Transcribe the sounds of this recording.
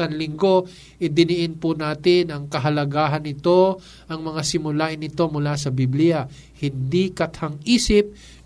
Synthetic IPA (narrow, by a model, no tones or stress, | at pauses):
ɐnlɪŋɡo̞ | ʔɪd̪ɪnɪʔɪnpʊnaːt̪ɪnɐŋkɐɦɐlɐɡaːɦɐnːɪt̪o̞ | ʔɐŋmɐŋasɪmʊlaːʔɪnːɪt̪o̞mʊlasɐbiblɪjɐ | hɪnd̪ikɐt̪haŋiːsɪp̚